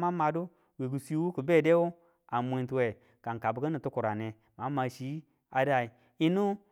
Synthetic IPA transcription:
ma˦ma˧du˦ | wi˨ɡu˨si˦wu˦ku˨be˦˨de˦wu˦ | a˨mʷ˨e˨˦ntu˨we˨ | ka˨n˨ka˨bkə˦ni˨tu˦ku˨ɾa˨ne˨ | ma˨˦ma˨ʃi˨˦ | a˨da˨i˨ | i˦nu˦

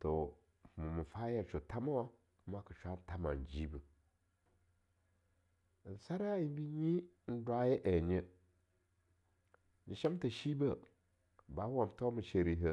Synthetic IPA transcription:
to˨ | mɨ˨mɨ˨fa˦ja˨t͡ʃo˨ta˦ma˦wa˦ | ma˦kə˨t͡ʃʷa˦n˦ta˨ma̰˨n˨d͡ʒi˦bə˨ | n˨sa˦ɾa˦ji˨˦bi˦ɲi˦ | n̩˦dwa˦je˦ʔe˨ɲə˦ | ni˨ʃa˦m˦tə˨ʃi˦bə˦˨ | ba˨˦wa˨mto˦mə˨ʃe˨ɾi˨ɦə˦

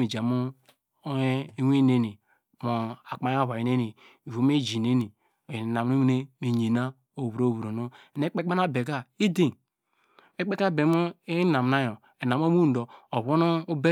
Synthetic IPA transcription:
i˨d͡ʒa˨mu˦ | we˦ne˦ni˨ | mo˨a˨k͡pa˨˦ja˦˨βa˨i˨ne˦ni˨ | i˨vo˨˦me˦d͡ʒi˨ne˦ni˨ | na˨m˦i˦wne˦me˨ɲe˨na˦ | o˨βu˨ɾo˦˨βu˨ɾo˨no˦˨ne˦k͡pe˦k͡pa˦na˦be˨ɡa˦i˦de˦˨ | e˦k͡pe˦ka˦˨be˨mu˦e˦na˨m˨na˦jo˨ | e˨na˨m˦o˦mu˦n̩˨do˨o˨βo˦no˦u˦be˦

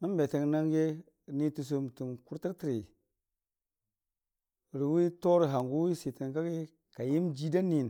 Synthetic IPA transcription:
mi˦n˦be˨ti˨ŋna˦ŋɡe˦˨ | ni˦tu˧s̬o˦˧m˨tu˨mku˦ɾti˦ɾti˦ɾi˨ | ɾi˨wi˦to˦ɾɦa˨ŋɡu˦wi˦si˨ti˨nka˦ki˦ | ka˨ji˦md͡ʒi˦da˦ni˦˨n

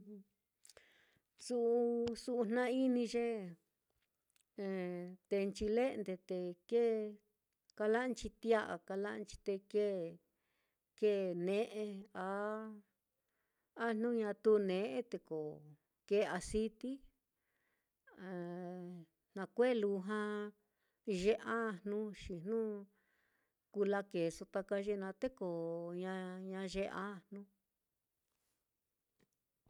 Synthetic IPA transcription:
su˧u˧su˧ʔu˧nnã˦i˦nĩ˧ʒe˦˧ | t̪e˧nt͡ʃi˧le˦˧nd̪e˧t̪e˧ke˦ | ka˧la˦ʔnt͡ʃi˧t̪i˦a˦ʔa˧ka˧la˦˧nt͡ʃi̥˧t̪e˧ke˦ | ke˦nẽ˦ʔe˧a˧˦ | a˦n̥nũ˦ɲã˧t̪u˦˧nẽ˨ʔe˦t̪e˧ko˨ | ke˧˦a˧si˦t̪i˦˨ | nã˧kʷe˦˨lu˧ɦã˧ | ʒe˦ʔã˦˧˨nnũ˦ʃi˨n̥nũ˦ | ku˧la˦ke˨su˧t̪a˧ka˧ʒe˧nã˧t̪e˦ko˨ɲã˧ɲã˧ʒe˧ʔa̰˦˧nũ˦

